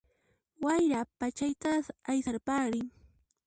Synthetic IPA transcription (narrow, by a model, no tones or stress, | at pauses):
wajɾapat͡ʃajt̪aajsaɾpaɾɪŋ